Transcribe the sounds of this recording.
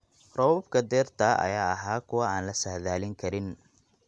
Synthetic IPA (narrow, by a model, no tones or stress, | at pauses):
rɔwbkʰɐd̪ɛːrt̪ʰɐʔɐ̰jaːɐɦaːkʰʊwɐaːnlɐsɐhðaːlɪŋkʰɐɾɪn